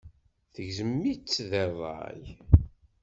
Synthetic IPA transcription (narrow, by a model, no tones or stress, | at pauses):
θəʝzəmːit͡sːðɛðˤɑ̰j